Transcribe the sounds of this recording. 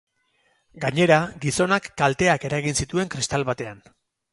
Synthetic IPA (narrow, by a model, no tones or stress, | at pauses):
ɡaɲe̞ɾaɡiso̞nakːalt̪e̞ake̞ɾaɣinsit̪ue̞ŋkɾist̪alβat̪e̞an